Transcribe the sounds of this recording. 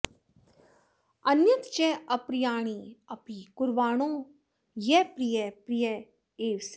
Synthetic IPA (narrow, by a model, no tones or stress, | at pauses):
ɐnjɐt̪t͡ʃɛɐpɾijaːɽ̃iɐpikʊɾʋaːɽ̃õː | jɛpɾijɛpɾijɐ | eːʋs